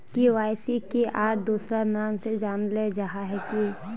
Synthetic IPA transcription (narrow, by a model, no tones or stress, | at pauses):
kiʋaːɪsikeʔaːɾd̪uːsɾanaːmsed͡ʒaːnled͡ʒɐɦaɦɛki